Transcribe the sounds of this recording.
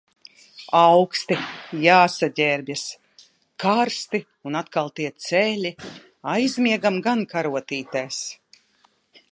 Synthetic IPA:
awkst̪ijaːsaɟʲɛɾbʲjas | kaɾst̪i | unat̪kalˠt̪iɛt̪sɛlʲi | ajzmʲiɛɡamɡankaɾuɔt̪iːt̪aːs

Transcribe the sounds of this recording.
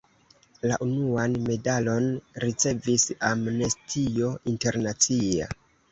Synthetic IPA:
laʔunuanme̞dalo̞nɾit͡se̞visamne̞stʰio̞inte̞ɾnat͡sia̰

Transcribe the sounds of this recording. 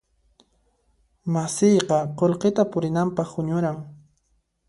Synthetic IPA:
masɪjqɑqolqet̪apʊɾɪnampɑχʊɲʊɾaŋ

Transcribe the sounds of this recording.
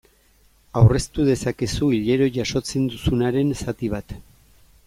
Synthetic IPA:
awre̞st̪uðe̞sakesuiʎe̞ɾo̞ʝaʃo̞t͡se̞nd̪usunaɾe̞nsat̪iβ̞at̪

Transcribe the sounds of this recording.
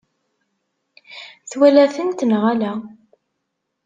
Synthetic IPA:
θwælæθənt̪nʁælæ

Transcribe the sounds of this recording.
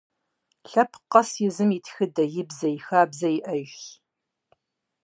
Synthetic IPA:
ɬɐpʰqɐsjɪzɨmitʰxɨdɐjɪbzɐjixaːbzɐjiʔɐʒ

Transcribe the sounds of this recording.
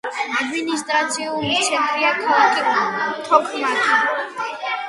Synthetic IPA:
ad̪minist̪ʼɾat̪sʰiulit͡ʃʰɛkʰʼɾiakʰɔlakʼikʼɔnt̪ʰɔkʰmatʰi

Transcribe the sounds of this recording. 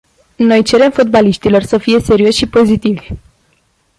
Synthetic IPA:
no̞jt͡ʃe̞ɾe̞mfot̪̚baliʃt̪ilo̞rsəfije̞se̞ɾio̞ʃʲʃipo̞zit̪ivʲ

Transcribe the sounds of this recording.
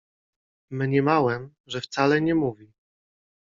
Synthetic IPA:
mɲɛmawɛm | ʐɛft̪salɛɲɛmuvʲi

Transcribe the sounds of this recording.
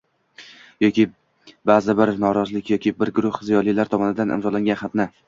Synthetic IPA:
jɒkʲi | bazɪbɪɾnɒɾɒzlɪkʲʰjɒkʲʰɪbɪɾɡʊɾʊhzijɒlˠijlaɾt̪ʰɒmɒnɪd̪anʔɪ̰mzɒlaŋɡʲanχɑt̪na

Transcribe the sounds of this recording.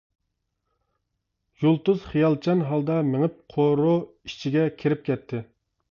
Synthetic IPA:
jolˠt̪uz̥χijɑlˠt͡ʃʰɑnɦɑlˠd̪ɑmeŋɪp̚qʰoɾʊ | i̥t͡ʃʰiɡʲɛkʲʰeɾɪp̚kʲʰɛt̪ʰːɪ

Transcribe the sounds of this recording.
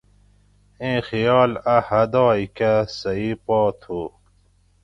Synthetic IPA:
ẽːxijɑːlɐhɐd̪ɑːikasɐipɔːt̪ʰoː

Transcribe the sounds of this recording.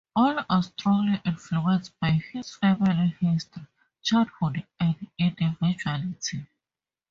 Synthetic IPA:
ɔlastɹɔ̃ŋɡliʔĩnfluɛ̃nsbajhizfɛmilihistɹi | t͡ʃadhudæ̃ndĩndivid͡ʒualitʰi

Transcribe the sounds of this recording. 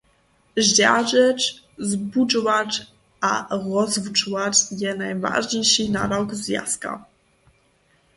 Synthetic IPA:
ʑd͡ʑaʐɛt͡ʃ | zbud͡ʒvaʈ͡ʂ | a̰ɾɔzvut͡ʂvat͡ʃjɛnajva̰ʐɲejʂina̰ɾɔkzvja̰ska̰

